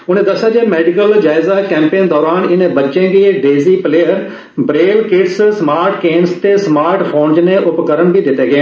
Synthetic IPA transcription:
ʊnẽːd̪ɐsad͡ʒeːmeːɖɪkəld͡ʒaːɪzakɛ̃ːmpeːnd̪ɔːɾaːnɪnẽbɐtːt͡ʃẽːɡiːɖeːziːpleːəɾ | bɾeːlkɪɖssmaːɾʈkeːnst̪esmaːɾʈfʰoːnznẽʔʊpkəɾəɳbʱid̪ɪt̪eɡɪẽː

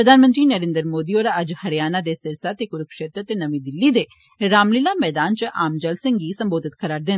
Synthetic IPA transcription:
pɾəd̪ʱaːnmə̃nt̪ɾiːnəɾẽːnd̪əɾmoːd̪iːoːɾaəd͡ʒhəɾijaːnad̪eːsɪɾsat̪ekʊɾəkʃeːt̪ɾət̪enəmiːd̪ɪlːiːd̪eː | ɾaːmlɪlaːmɛːd̪aːnt͡ʃʔaːmd͡ʒəlsɪ̃ŋɡɡiːsəmboːd̪ɪt̪kʰəɾaːɖ̚d̪ɪn

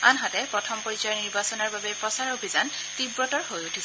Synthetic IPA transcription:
a̰nɦatɛpɹɔtʰɔmpoɹisaɹniɹbasɔnɔɹbabɛpɹɔsaɹobʱizan | tibɹɔtɔɹhojutʰiz

